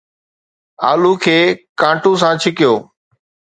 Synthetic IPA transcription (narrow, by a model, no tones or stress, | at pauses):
aːlukʰeːkãːʈũːs̬ãːt͡ɕʰɪkɪjoː